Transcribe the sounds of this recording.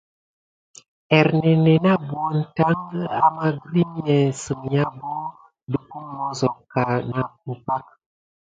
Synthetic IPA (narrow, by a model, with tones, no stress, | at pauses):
ɛ˨ɾnɛ˨nɛ˨na˦bwɔ˦n̩˨ta˦ŋɡa˦ma˦ɡɾi˦mi˦ɛ˨sə˨m˨ɲa˦bo˦ | du˨ku˦mɔ˦zɔ˨ka˨na˨k̚u˨pa˦k̚